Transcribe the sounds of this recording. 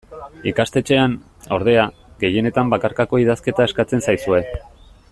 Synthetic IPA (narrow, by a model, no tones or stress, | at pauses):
ikast̪e̞t͡ʃe̞an | o̞ɾð̞e̞a | ɡe̞je̞ne̞t̪ambakaɾkako̞iðaske̞t̪ae̞skat͡se̞nsajsue̞